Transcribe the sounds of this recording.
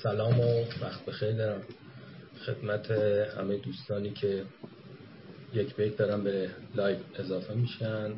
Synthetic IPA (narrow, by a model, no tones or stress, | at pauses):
sælɒːmovæxt̪̚be̞xejɾd̪ɒːɾæm | xe̞̰d̪̥mæt̪ʰehæ̰me̞jed̪uːst̪ɒːniːcʰe̞ | jecʰbejt̪̚d̪ɒːɾæmbe̞lɒːjve̞zɒːfe̞miːʃæn